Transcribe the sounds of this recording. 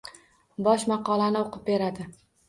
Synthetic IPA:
bɒʃmɑqɒlˠanɪoqɨp̚be̞ɾad̪ɪ

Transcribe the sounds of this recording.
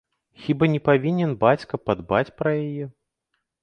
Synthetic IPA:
xʲibanʲɛpavʲinʲɛnbat͡sʲkɐpad̪bat͡sʲpɾɐjajɛ

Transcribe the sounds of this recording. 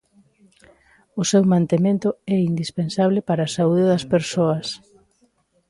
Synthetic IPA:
ʊsewmãnt̪emẽnt̪ʊɛind̪ispensaβlepaɾaːsauðeðɐspeɾsoɐs

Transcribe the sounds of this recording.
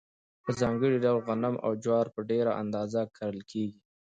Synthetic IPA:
pəzɑŋɡəɽiɖawlɣanamʔa̰wd͡ʒwɑɾpəɖeɾaʔa̰nd̪ɑzakʰaɾəlkʰeɡi

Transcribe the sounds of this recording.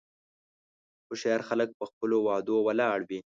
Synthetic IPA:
xʊʃeɑɾxalək̚pəxpəlowɑd̪owalɑɽwi

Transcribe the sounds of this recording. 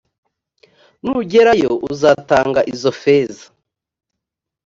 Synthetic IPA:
nuɟeɾajo̞ʔuzaːtaːŋɡaʔizo̞feːzḁ

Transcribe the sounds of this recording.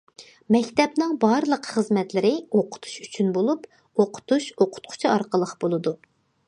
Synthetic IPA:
mɛkʲt̪ɛpnɨŋbɑɾlˠəqχəzmɛt̪lɪɾɪoqʰʊ̥t̪ʰu̥ʃyt͡ʃʰynbolˠup | oqʰʊ̥t̪ʰuʃoqʰʊ̥t̪̚qʰʊ̥t͡ʃʰiɑɾqəlˠəqb̥olˠɨd̪u

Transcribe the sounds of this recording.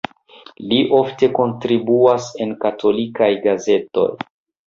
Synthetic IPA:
liʔo̞fte̞ko̞ntɾibuase̞nkatʰo̞likajɡaze̞to̞̰j

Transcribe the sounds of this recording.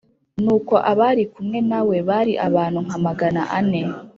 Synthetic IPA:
nuːko̞ʔaβaɾikumŋe̞nawe̞βaɾiʔaβaːnhuŋ̥amaɡana̰ʔane̞

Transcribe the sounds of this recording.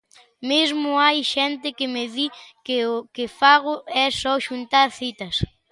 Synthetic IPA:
mezmʊajʃɛnt̪ɪkɪmeðikeʊkefaɣʊɛsɔʃunt̪aɾθit̪ɐs

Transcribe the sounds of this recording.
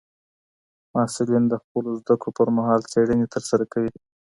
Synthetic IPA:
mɑsɪlind̪əxpəlozd̪akɽopəɾmaɦɑlt͡seɽənet̪əɾsaɾakawi

